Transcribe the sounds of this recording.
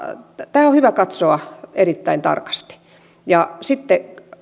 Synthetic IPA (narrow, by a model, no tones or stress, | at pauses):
t̪æːohyʋækɑt̪soɑerit̪ːæint̪ɑ̰rkɑ̥st̪i̥ | jɑsit̪ːe